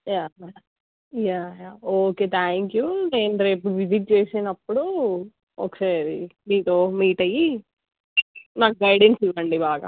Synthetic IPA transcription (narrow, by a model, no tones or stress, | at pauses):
jaː | jaːjaːoːkeːt̪ʰaːŋkjune̞ːnuɾe̞ːp̬uʋiziʈ̬̚t͡ʃeːsinɐpːuɽu | oːkɐ̥saːɾid̪iːnt̪oːmiːʈɐji | naːkɡɐjɖensiʋɐɳɖibaːɡa̰ː